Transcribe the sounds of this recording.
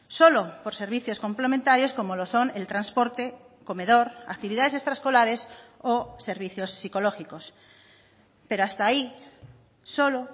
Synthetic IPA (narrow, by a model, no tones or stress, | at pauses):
solopoɾse̞ɾβ̞iθjo̞sko̞mplemẽnt̪aɾjo̞sko̞moloso̞nelt̪ɾanspoɾt̪e | kome̞ðoɾa̰k̚t̪iβ̞iðaðese̞st̪ɾaskolaɾesose̞ɾβiθjo̞sːiko̞loxikos | pe̞ɾoast̪ai | solo